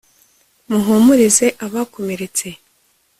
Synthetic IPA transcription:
muɦomuɾize̞ʔaβaːko̞meɾet͡se̞

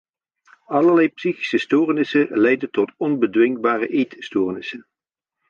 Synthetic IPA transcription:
ɑləɹlɛjpsiχi̥səstoːrnɪsənlɛjdəntɔtɔnbədʋɪŋ̚baːrəʔejtstoːɹnɪsən

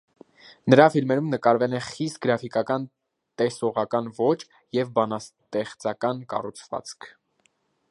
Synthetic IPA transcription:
nəɾɑfilmɛɾumnəkɑɾvɛlɛχist̪̚ɡəɾɑfikɑkɑn | t̪ɛsɔʁɑkɑnvɔt͡ʃ | jɛvbɑnɑt̪ɛχt͡sɑkɑnkɑ̰rut͡sʰvɑ̰t͡skʰ

